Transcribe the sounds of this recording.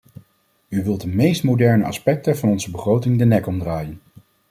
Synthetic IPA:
yʋɪlˠt̚dəmejstmowdɛɹnəɑ̰spɛk̚təvɑnɔnzəbəχrowtɪŋdənɛkɔmdraːjən

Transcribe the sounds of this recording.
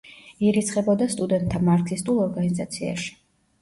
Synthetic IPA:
iɾit̪sʰχʼɛbɔd̪ast̪ʼud̪ɛnt̪ʰːamaɾt̪ʰist̪ʼulˠɔɾɡanizat̪sʰia̰ʃi̥

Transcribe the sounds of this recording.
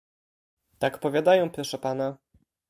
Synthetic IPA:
t̪akpɔvʲjad̪ajɛ̃w̃pɾɔʂɛpana

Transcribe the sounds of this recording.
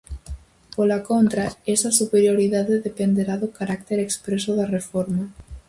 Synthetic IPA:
polakont̪ɾaesɐsupeɾjoɾiðaðeðepend̪eɾaðʊkaɾak̚t̪eɾekspɾesʊðɐrefoɾmɐ

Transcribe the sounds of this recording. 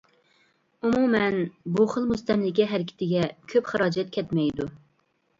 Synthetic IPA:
umumɛnbuχəlˠmust̪ɛnlɪkʲiɦɛɾɪkʲʰɪ̥t̪ʰɪɡʲɛkʲʰøpχɑɾɑːd͡ʒɛt̪̚kʲʰɛt̪mɛjd̪u

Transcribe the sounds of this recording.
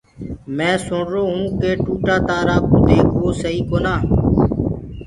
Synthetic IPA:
mɛ̃ːsʊɳɾoːɦũːkeːʈuːʈaːt̪aːɾaːkũːd̪eːkʋoːsəɦiːkoːnãː

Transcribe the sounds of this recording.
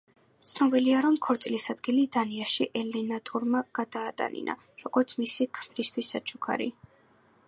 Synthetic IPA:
t̪sʰnɔbiliaɾɔmkʰɔɾt̪sʼlisad̪ɡilid̪aniaʃiʔɛlɛnat̪ʼuɾmaɡ̥ad̪̥aːt̪ʼa̰nḭna̰ | ɾɔɡ̥ɔɾt̪sʰmisikʰmɾist̪ʰwisːat͡ʃʰu̥kʰa̰ɾḭ

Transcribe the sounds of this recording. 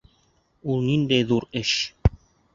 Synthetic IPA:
ulˠnind̪æjðuɾɘʃ

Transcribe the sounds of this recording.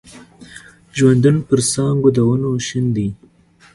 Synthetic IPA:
ʒwand̪unopəɾsɑŋɡod̪awənoʃənd̪i

